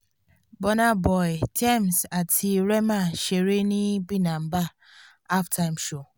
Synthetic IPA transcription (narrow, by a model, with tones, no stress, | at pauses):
bɔ˦na˦bɔ˨jtʰɛ˦˨msa˨tʰi˨ɾɛ˦ma˦˨ʃe˨ɾe˦ni˦bi˦na˨m̩˨baː˦˨˦ | ftʰa˦˨mʃo˦˨